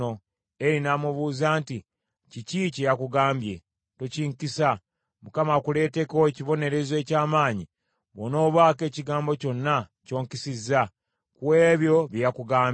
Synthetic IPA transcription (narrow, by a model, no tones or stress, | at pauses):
o | e̞ɾinaːmuβuːzaːnti | cicicejakuɡaːmbje̞ | tociŋkisa | mukamakule̞ːte̞ko̞eciβo̞ne̞ɾe̞zwe̞ːcaːmaːɲi | βono̞ːβwaːke̞ːciɡaːmbo̞co̞nːaco̞ːŋkisizːa | kuwe̞ːβjo̞βjijakuɡaːm